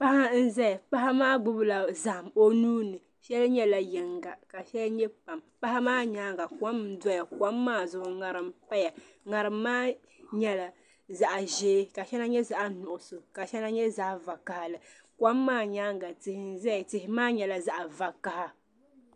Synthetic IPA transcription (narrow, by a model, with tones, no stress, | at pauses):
pa˦ha˦n̩˦zɛ˦˨pa˦ɦa˦maː˦ɡ͡bʊ˦bla˨za˨ʔmo˦nuː˦nɨ˨ | ʃɛ˦lɲɛ˦la˨jɛ˨ŋɡa˨ka˨ʃɛ˦lɲɛ˦pa˨mpa˦ha˦maː˦ɲaː˦ŋɡa˨kʷa˦m˦da˦ja˨kʷa˦mːaː˦zʊ˨hʊ˨ŋa˨ɾɨ˦mpa˦ja˨ | ŋa˨ɾɨ˨mːaː˦ | ɲɛ˦la˨ | za˨ʔʒeː˦ka˨ʃɛ˦na˦ɲɛ˦za˨ʔnʊ˨ʔʊ˨sʊ˨ka˨ʃɛ˦na˦ɲɛ˦za˨ʔva˨ka˨ha˨lɨ˨ | kʷa˦mːaː˦˨ɲaː˦ŋɡa˨tɪ˨hɪ˨n̩˦zɛ˦˨tɪ˨hɪ˨maː˦ɲɛ˨la˨za˦ʔa˨va˨ka˨ha˦